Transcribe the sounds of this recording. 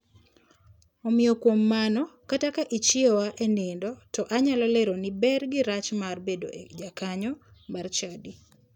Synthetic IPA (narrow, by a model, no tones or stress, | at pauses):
ɔmɪɔkwomːanɔkatakaʔit͡ʃɪɔwaʔɛnɪndɔtɔʔaɲalɔleɾonɪbɛrɡɪɾat͡ʃmarbedo̰ʔed͡ʒakaɲɔmart͡ʃadi